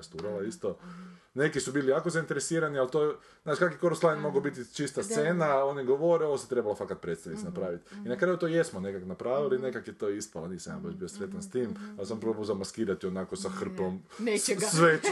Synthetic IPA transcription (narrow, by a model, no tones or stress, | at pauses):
st̪uɾalaist̪o̞ | ne̞kisubiːlijaːko̞zaint̪eɾesiːɾanialt̪oːe | znaːʃkakʋiko̞ɾuslˠajnmo̞ɡobit̪it͡ʃist̪ast̪se̞ːnaːo̞niɡoʋoɾeo̞ʋoset̪ɾe̞balafakat̪̚pɾet̪st̪aʋnit̪snapɾaːʋit̪inakɾaːjut̪oje̞smone̞kaknapɾaːʋiline̞kakjet̪o̞ːispalaniːsamja̰baʃbiosɾe̞t̪anst̪iːmalsampɾobuzamaskiːɾat̪ionako̞saxr̩pomneesʋe